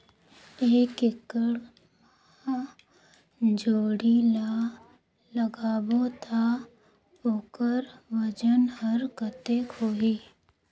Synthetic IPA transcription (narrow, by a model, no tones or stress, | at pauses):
eːkɪkəɽ | ma | d͡ʒoːɽila | ləɡaːbot̪ʰa | oːkəɾʋəd͡ʒənhəɾkət̪ekʰoːɦiː